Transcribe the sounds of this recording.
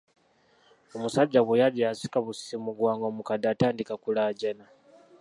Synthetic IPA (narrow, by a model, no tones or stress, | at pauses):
omusaɟːaβwejaliasi̥kaβusi̥imuɡwaːŋɡomukadaːtaːndikakulaːɟana